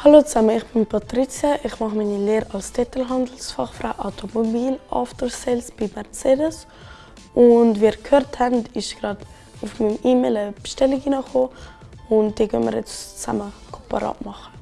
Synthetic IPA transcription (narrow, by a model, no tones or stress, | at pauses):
haloːt͡saməɪχb̥ɪnpʰɑtɾit͡sjəʔɪχmɑχminileːɾɑlstʰɛtəlɦɑndl̩sfɑχfɾaʊʔa̰ʊtʰomobiːlʔɔ̰ftəɾselsb̥imɛɾt͡seːdəs | ʊntviːɾkhøːɾthɛntɪʃɡ̥ɾɑːd | ʊfmimiːmeləbʃtɛlɪɡiːnəχoː | ʊntd̥iːkʰœ̰nmə̰ɾjɛ̰t͡st͡sa̰məkʰopaɾɑ̰ːtmɑχə